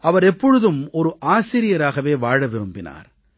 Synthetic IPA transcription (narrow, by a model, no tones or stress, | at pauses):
ʔɐʋɐɾɛpːɔɻɯðɯmɔɾɯʔaːsɪɾɪjɐɾaːɣɐʋeːʋaːɻɐʋɪɾɯmbɪna̰ːɾ